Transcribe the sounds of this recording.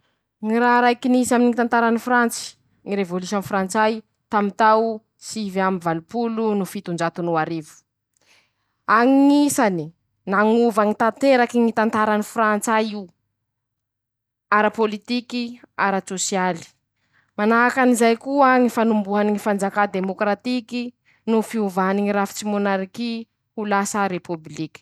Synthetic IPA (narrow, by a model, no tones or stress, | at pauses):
ŋiɾaɾajkinisaminiŋit̪ant̪aɾanifrant͡si̥ | ŋiɾevolus̬onfɾant͡saj | t̪amint̪aw | sivamivalupulunufit̪und͡ʒat̪unuaɾivu̥ | aŋiŋisani | naŋuvaŋit̪at̪eɾakiŋit̪ant̪aɾanifɾant͡sajiu | aɾapolit̪ikiaɾasosijali̥ | manakanizajkuaŋifanumbuɦaniŋifand͡zakad̪emokɾat̪iki | nufiuvaniŋiɾafi̥t͡simonaɾiki | ulasəɾepublikʲi̥